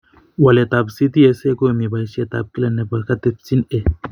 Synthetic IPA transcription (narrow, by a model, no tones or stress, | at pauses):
wɐlet̪absit̪iesekomibajʃet̪a̰b̚kilɐnːepɐɾkɐt̪et̪̚t͡sine